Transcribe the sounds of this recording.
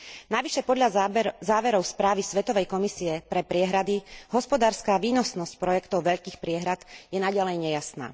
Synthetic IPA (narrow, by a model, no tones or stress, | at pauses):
naʋiʃɛpɔd̪ʎazaːʋɛɾɔʊspɾaːʋisʋɛt̪ɔʋɛjkɔmisiɛpɾɛpɾɪɛɦɾad̪iɦɔspɔd̪aːɾskaːʋiːnɔsnɔsc̚pɾɔjɛkt̪ɔʊʋɛʎkiːxpɾɪɛɦɾad̪̥jɛnaɟalɛjɲɛjasna̰ː